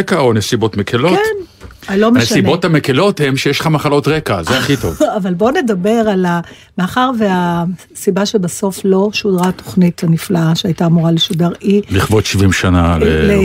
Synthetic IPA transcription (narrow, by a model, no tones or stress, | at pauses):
ekaonesibo̞tmekʰeloen | alomeneʃsinbot̪hamekelo̞themʃejeʃlχamaχalo̞tʁekazeaχito̰vavalbo̞ne̞dabe̞ʁala | maːχaʁvea | sibaʃebaso̞flo̞ʃodʁato̥χnithaniflaaʃeajtaːmuʁaleʃudaʁiliχvotʃivimʃana̰lele